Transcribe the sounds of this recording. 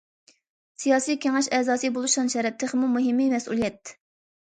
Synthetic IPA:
sijɑːsijkʲeŋɛʃɛzɑːsɨbolˠuʃʁɑnʃɛɾɛp̚t̪ʰːɪχmumuɦɪmːimɛsṵlˠijɛt̪̚

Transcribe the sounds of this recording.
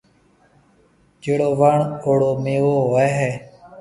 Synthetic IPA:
d͡ʒeːɽoːʋaɳoːɽoːmeːʋoːeːɦɛː

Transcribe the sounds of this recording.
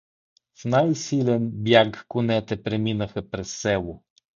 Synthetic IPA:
fnajsilʲɛnbjakːʊnɛt̪ɛpɾɛminɐxɐpɾɛsːɛlʊ

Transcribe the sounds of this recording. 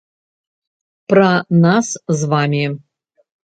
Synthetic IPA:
pranaszvamʲi

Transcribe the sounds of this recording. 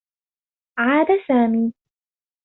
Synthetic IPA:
ʕaːd̪asaːmiː

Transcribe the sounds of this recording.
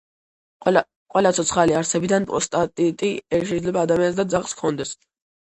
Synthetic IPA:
qʼwɛlat̪sʰɔt̪sʰχaliaɾsɛbid̪anpʼɔ̰st̪ʼat̪ʼit̪ʼiɛʃ̬ɛid̪lɛbaːd̪amians̬d̪ad̪zaχskʰɔnd̪ɛs

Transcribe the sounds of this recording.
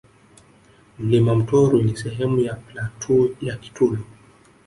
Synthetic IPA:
m̩limam̩tɔɾunisɛɦɛmujaplatʰujaki̥tʰulɔ

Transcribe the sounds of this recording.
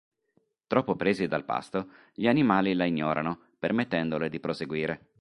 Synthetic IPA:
t̪ɾɔpːopɾeːzid̪alpa̰st̪o | ʎianimaːlilaiɲːɔːɾʔano | permet̪ːɛnd̪oled̪ipɾoseɡwiːɾe

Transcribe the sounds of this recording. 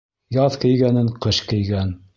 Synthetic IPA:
jɑðkɘ̆jɡænɘɴqɤʃkɘ̆jɡæn

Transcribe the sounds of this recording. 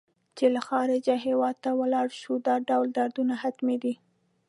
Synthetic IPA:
t͡ʃelaxɑɾɪd͡ʒaɦewɑd̪̚t̪awəlɑɽʃud̪ɑɖawld̪ɑɾd̪unahat̪med̪i

